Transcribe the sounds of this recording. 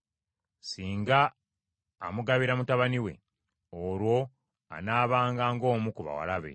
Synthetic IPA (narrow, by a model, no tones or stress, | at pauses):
siːŋɡaː | muɡaβiɾamutaβaniwe̞̰ | oɾwo̞ | a̰naːβaːŋɡaːŋɡo̞ːmukuβa̰wa̰laβe̞̰